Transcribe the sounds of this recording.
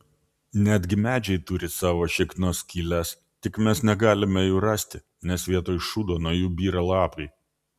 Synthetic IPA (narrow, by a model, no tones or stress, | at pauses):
nʲæːd̪ʲɡʲɪmʲæːd͡ʒʲɛɪt̪ʊɾʲɪsɑːʋoːʃʲɪk̪noːskʲiːlʲɛs | t̪ʲɪkmʲɛsnʲɛɡɑːlʲɪmʲɛjuːɾɑsʲt̪ʲɪ | nʲɛsʋʲiɛt̪oːjʃuːd̪oːnɔjuːbʲiːɾɐlˠɑːpɐɪ